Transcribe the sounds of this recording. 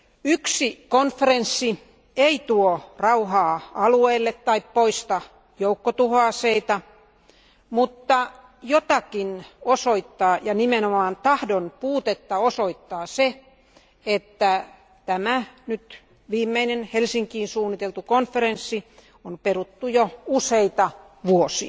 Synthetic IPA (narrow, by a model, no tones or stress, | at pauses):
yksikonfːerensːi | eit̪uorɑuhɑːɑlueːlːet̪tːɑippoist̪ɑ | joukːot̪uhoɑːseit̪ɑ | mut̪ːɑ | jot̪ɑkinosoit̪ːɑːjɑnimenomɑːnt̪ɑhdonpuːt̪et̪ːɑosoit̪ːɑːse | et̪ːæ | t̪æmænyt̪ | ʋiːmːeinenhelsiŋkiːnsuːnːit̪elt̪ukonfeɾensːi | omperut̪ːujouseit̪ɑ | ʋuosḭɑ